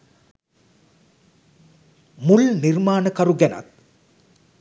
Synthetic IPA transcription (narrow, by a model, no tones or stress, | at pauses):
mulnirmaːnəkɐɾuɡæna̰t̪̚